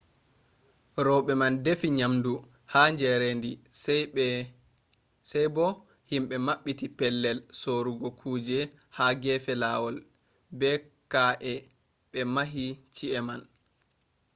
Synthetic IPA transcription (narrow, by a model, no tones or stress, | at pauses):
ɾɔɓɛmandefiɲamdu | haɲd͡ʒɛɾendi | sɛjbɔ | himɓɛmaɓːitipɛlːɛlsoɾuɡɔkʰuːd͡ʒɛ | haɡɛːfɛlawɔl | bɛ | kaʔɛ | ɓɛmaɦit͡ʃiɛman